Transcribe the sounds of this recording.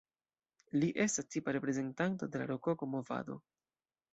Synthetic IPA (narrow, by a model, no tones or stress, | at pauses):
liʔe̞stastʰipaɾe̞pɾe̞ze̞ntanto̞de̞la̰ɾokokomo̞va̰do̞̰